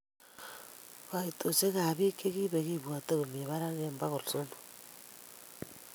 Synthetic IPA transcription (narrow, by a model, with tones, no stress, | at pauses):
βa˨i˨to˨t͡ʃe˦ɣa˨βi˦ke˦ɣi˦βe˨ɣi˦βwa˨te˦ɣo˨m˨e˨βa˦ɾa˦ɣemba˦ɣo˨ɾso˦no̥